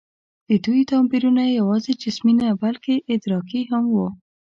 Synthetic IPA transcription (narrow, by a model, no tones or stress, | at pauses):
d̪̥əd̪ujt̪ɑmbiɾunajawɑzed͡ʒɪsminabalkeʔɪd̪ɾɑkiɦamwu